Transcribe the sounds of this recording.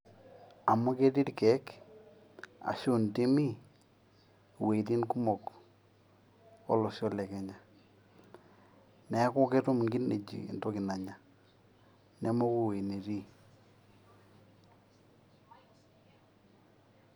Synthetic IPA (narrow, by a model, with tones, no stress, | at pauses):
a˨mɔ˦ke˦ti˦tkɛ˨˦k | a̰˨ʃʊ˦nti˦mi˦ | we˨ti˦nku˦mɔ˨k | ɔ̰˦lɔ˨sɔ˦lɛ˨kɛ˨ɲa˨ | nɛ˨˦ko˦kɛ˦to˦m˨ŋɡi˦ne˨d͡ʒḭ˨ndo˦kɪ˨na˨ɲa˨ | nɛ˦mɔ˦ku˦˨we˨ne˨ti˦